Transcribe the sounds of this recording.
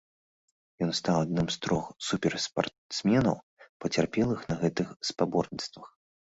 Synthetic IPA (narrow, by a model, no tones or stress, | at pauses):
jɔnst̪awad̪̚nɨmst̪ɾɔxsupʲɛrspa̰rt̪smʲɛnɐ̰w | pɐt͡sʲarpʲɛlˠɨxnɐɣɛt̪ɨxspabɔrnʲit̪st̪vɐx